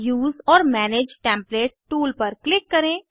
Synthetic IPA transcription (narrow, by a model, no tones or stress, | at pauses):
juːzɔːɾmɛːneːd͡ʒʈɛ̃ːmpleːʈsʈuːlpɐɾklɪkːɐɾẽː